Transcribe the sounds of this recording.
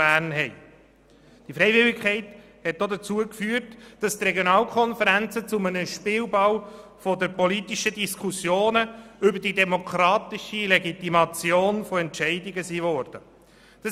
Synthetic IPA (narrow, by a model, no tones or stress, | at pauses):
æːɾnɦɛɪ | d̥ifɾɛɪvɪlɪkχɛɪt | hɛt̚dod̪ət͡suəkfyːəɾtd̥ɑst̪rɛɡjonɑːlkχɔnfəɾænt͡sət͡sʊmənəʃpɪːwbɑwfɔdəɾpɔlit̪iʃədiskʰusjoːnəʏbəɾdidɛmokʰɾɑːt̪iʃilɛɡit̪imɑt͡sjoːnfɔɛntʃɛɪdiɡəsiːvɔːɾd̥ə | d̥ɑ